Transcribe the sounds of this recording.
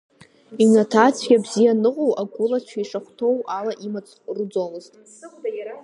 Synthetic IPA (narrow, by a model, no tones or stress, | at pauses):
inatʰat͡sʰɡʲabzijanɨqʼowʔaɡʷʊlat͡ɕʷʰaiʂaχʷtʰo̞walaʔimat͡sʼrud͡zolɨztʼ